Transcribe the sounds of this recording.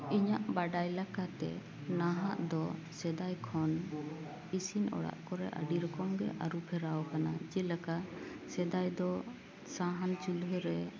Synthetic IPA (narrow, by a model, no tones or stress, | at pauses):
iɲaʔbaɖajlakat̪ɛ̰ | naɦaʔd̪ɔ | sɛd̪ajkʰɔn | isinɔ̰ɽa̰ʔkɔɾɛʔa̰ɖiɾɔkɔmɡɛʔaɾupʰɛɾawɔkanad͡ʒɛlaka | sɛd̪ajd̪ɔ | saɦant͡ʃulɦɛɾɛ